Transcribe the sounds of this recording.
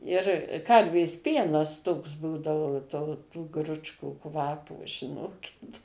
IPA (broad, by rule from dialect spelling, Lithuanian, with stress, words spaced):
ɪr ˈkɐrʲʋʲeːs ˈpʲiɛnɐs toːks ˈbuːdɐoː toː tuː ˈɡrʊt͡ʃkuː ˈkʋɑːpoː ʒʲɪˈnoːkʲɪt